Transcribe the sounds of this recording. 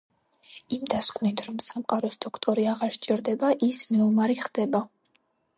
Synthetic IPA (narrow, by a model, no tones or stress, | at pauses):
imd̪askʼvnit̪ʰɾɔmsamqʼaɾɔsd̪̥ɔkʰt̪ʼɔɾiaʁaɾʃt͡ʃʼiɾd̪ɛbaʔismɛɔmaɾiχd̪̥ɛba